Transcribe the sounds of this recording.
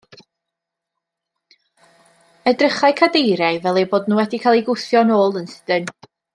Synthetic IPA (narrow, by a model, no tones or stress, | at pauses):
ədrəχaɨkʰadejɾajvɛlˠeboːdnuːwɛdikʰaːlˠiɡʊθjɔnoːlˠənsɪ̥dən